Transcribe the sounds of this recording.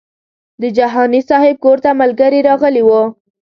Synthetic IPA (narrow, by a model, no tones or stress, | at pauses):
d̪əd͡ʒaɦɑnisɑhɪb̚koɾt̪amalɡaɾiɾɑɣəliwə